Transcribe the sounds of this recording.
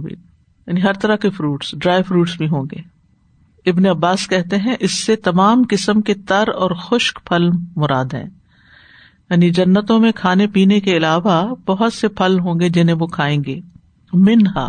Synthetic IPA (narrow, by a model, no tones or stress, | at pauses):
bḭː | jaːniɦɐɾt̪ɐɾakefɾuːʈsɖɾaːɪfɾuːʈsbʱiɦõːŋ̆ɡeː | ɪbneɐbːaːskɛɦt̪eɦɛ̃ʔɪsːet̪ɐmaːmkɪsəmket̪ɐɾɔːɾxʊʃkpʰɐlmʊɾaːd̪ɦɛ̰̃ː | jaːnid͡ʒɐnːət̪õmẽkʰaːnepiːnekeɪlaːʋabɐɦʊt̪sepʰɐlɦõ̆ːɡed͡ʒɪnɦẽʋokʰaːẽːŋɡeː | mɪnɦa̰ː